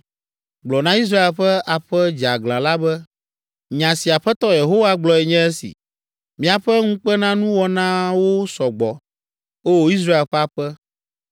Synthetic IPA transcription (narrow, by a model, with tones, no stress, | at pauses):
ɡ͡blɔ˨nã˦i˦s̬ɾa˦e˨lɸɛ˦ʔa˨ɸɛ˦d͡ʒa˨ɡlã˨la˦bɛ˦ | ɲã˨si˨a˨ɸɛ˦t̪ɔ˦je˨ɦo˦wa˦ɡ͡blɔ˨ɛ˨ɲɛ̃˦ɛ˦sḭ˨ | mĩ˦a˨ɸɛ˦ŋũ˦k͡pɛ˦nã˦nũ˦wɔ˨nã˦wo˦sɔ˨ɡ͡bɔ˨ | o˦wo˦i˦s̬ɾa˦e˨lɸɛ˦a˨ɸɛ˦